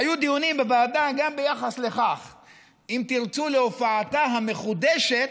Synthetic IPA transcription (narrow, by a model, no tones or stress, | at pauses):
hajud̪ijunimbebaad̪anɡambejaχasle̞χaχ | imt̪iʁt͡suleofaːt̪aɦame̞χud̪eʃe̞t̪